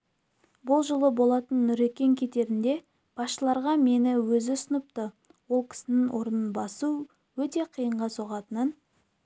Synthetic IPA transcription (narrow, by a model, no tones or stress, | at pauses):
bʊlˠʒəlˠəbo̞lˠɑt̪ənːʏɾe̞kʲe̞ŋkʲʰe̞t̪e̞ɾɪnd̪e̞ | b̥ɑsʃəlˠɑɾʁɑme̞nɪwɵzɪsənəp̚t̪ə | wo̞lˠkʲʰɪ̥sɪnɪŋwoɾənənbɑsu | wɵt̪e̞qʰijəɴʁɑsoʁɑt̪ənən